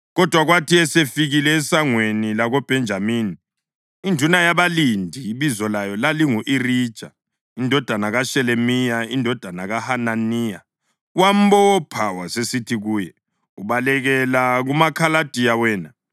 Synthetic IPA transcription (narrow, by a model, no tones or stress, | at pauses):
ɣɔd̥ʱwaɣwatʰiɛsefiɣilɛːsaŋwenilaɣɔb̥ʱɛnd͡ʒʱamiːni | indʱunajaβalindʱijiβizɔlajɔlaliŋuʔirid̥ʒ̥ʱa | indʱɔd̥ʱanaɣaʃɛlemijaindʱɔd̥ʱanaɣahananiːja | wam̩bɔɔpʰawasesitʰiɣuːjɛ | uβalɛɣɛlaɣumakʰalad̥ʱijawɛːna